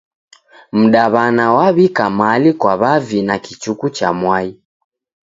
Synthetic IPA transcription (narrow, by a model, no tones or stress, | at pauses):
m̩ɗaβanawaβikamalikwaβavinakit͡ʃukut͡ʃa̰mwai